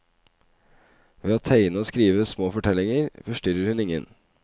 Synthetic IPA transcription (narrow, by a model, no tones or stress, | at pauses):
ʋeːoːt̪ʰæɪnəoːskɾiːʋəsmoːfɔʈʰɛlɪŋəɾfɔʂʈʏɾəɾhʉnɪŋə̰n